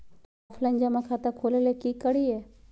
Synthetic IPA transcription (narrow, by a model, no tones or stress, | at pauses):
afʰləɲd͡ʒamãkʰat̪əkʰoːlelekikəɽie